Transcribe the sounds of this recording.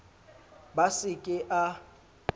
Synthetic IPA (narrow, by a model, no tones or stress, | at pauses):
basɪkʼɪʔa